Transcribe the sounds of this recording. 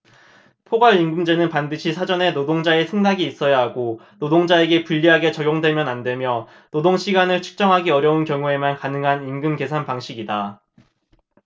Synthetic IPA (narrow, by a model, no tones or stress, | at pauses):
pʰoɡwaɭinɡɯmd͡ʑe̞nɯnpandɯɕʰisʰad͡ʑʌne̞nodoŋd͡ʑae̞sʰe̞ŋdaɡiːs͈ʌjaɦaɡo | nodoŋd͡ʑae̞ɡe̞puʎːiɦaɡe̞t͡ɕʌɡjoŋdwe̞mjʌnande̞mjʌ | nodoŋɕʰiɡanɯɭt͡ɕʰɯ̥k̚t͡ɕ͈ʌŋɦaɡiʌɾjʌunkjʌŋue̞mankanɯŋɦaninɡɯmke̞sʰanpaŋɕʰiɡida